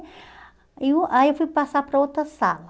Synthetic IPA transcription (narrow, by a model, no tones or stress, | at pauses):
iũʔaiewfujpasapɾɐot̪ɾɐsa̰lɐ